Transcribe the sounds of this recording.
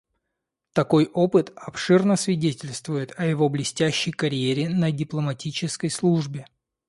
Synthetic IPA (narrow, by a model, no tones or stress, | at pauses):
t̪ɐko̞jʔo̞pɨt̪ɐpʂɨrnəsvʲɪdʲetʲɪlʲst̪vʊjɪt̪ɐjɪvo̞blʲɪsʲtʲæɕːɪjkɐɾʲɪjeɾʲɪnədʲɪplˠəmɐtʲit͡ɕɪskəjslˠuʐbʲɪ